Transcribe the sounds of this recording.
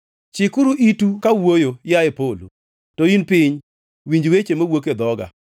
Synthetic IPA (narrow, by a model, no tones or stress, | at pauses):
t͡ʃɪkʊɾuʔitukawojojaepolo̰ | toinpɪɲ | wiɲd͡ʒwet͡ʃemowoked̪ɔɡa̰